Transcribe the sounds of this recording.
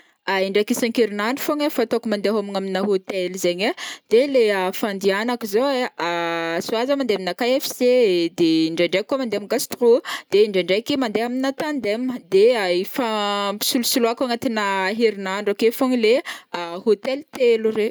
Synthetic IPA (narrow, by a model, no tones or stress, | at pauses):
aiɳɖ͡ʐakisaŋkiɾinaɳɖ͡ʐufoŋafat̪okumand̪eɦaminaminaɦot̪elizeɲad̪̥eleafand̪ianakizoeasuazəmand̪eminakajɛfi̥sed̪eiɳɖ͡ʐaɳɖ͡ʐakːuamand̪eamiɡast̪rud̪̥eiɳɖ͡ʐaɳɖ͡ʐajkimand̪eɦaminat̪and̪eməd̪eaifapi̥sulusuluakaŋat̪inəɦiɾinaɳɖ͡ʐokefoŋileahot̪elt̪elure